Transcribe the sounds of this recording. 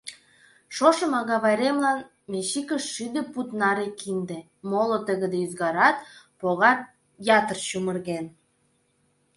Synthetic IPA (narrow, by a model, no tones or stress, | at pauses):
ʃoʃə̆mɑɣɑβɑjɾemlɑn | meɕikə̆ʃːyd̪ĕput̪nɑɾekind̪ĕ | molot̪əɣə̆d̪eyzɣɑɾɑt̪̚ | poɣɑt̪ | jɑt̪ərt͡ɕumə̆rɣen